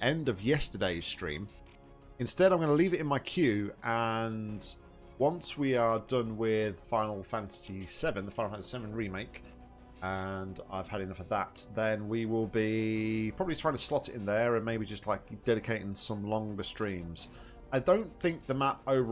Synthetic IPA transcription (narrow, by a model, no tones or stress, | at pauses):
ʔɛ̃ndʌvjɛstə˞deɪz̥stɹ̥ḭ̃m | ɨ̃nstɛɾãɪ̃mɡʌ̃nəliːvɪtɪ̃nmaɪkʰj̥ʉʔə̃n | wʌ̃nswiədʌ̃nwɪð̥fãɪ̃nl̩ˠfæ̃ntə̥sisɛvə̃nðəfãɪ̃nl̩ˠfãnsisɛvə̃nɹimeɪk | ə̃na̰ɪv̥əɾɨ̃nʌfəðə̰t̪̚ðə̃nwiwɪlˠbipʰɹ̥ɒbəblitʰɹ̥aɪɪ̃ŋtʰəslɒtɪtɪ̃nðəɹə̃nmeɪbid͡ʒʌstˡlaɪk̚d̥ɛɾɪkʰeɪɾɪ̃ŋsʌ̃mlɒ̃ŋɡəstɹ̥ĩːmz̥ | aɪdə̃ʊ̃nθɪ̃ŋk̚ðəmapoʊvə